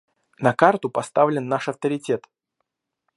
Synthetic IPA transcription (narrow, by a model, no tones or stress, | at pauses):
nɐkart̪ʊpɐst̪avlʲɪnːaʂɐft̪əɾʲɪtʲet̪